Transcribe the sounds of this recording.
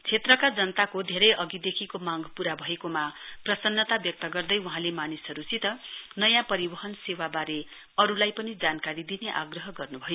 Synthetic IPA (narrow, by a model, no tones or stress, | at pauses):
t͡sʰet̪rʌkad͡zʌnʌt̪akod̪ʱeɾʌjʌɡid̪ekʰikomaŋɡpuɾabʱʌekomaprʌsʌnːʌt̪abjʌk̚t̪ʌɡʌrd̪ʌjuɦãlemanisʌɾut͡sit̪ʌnʌjãpʌɾibʌɦʌnsewabaɾe | ʌɾulajpʌnid͡zankaɾid̪ineʔa̰ɡrʌɦʌɡʌrnubʱʌjo